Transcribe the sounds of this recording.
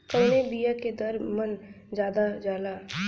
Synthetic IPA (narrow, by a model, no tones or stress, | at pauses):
kəːnebijaked̪ɐɾmən | d͡ʒjaːd̪ad͡ʒaːlaː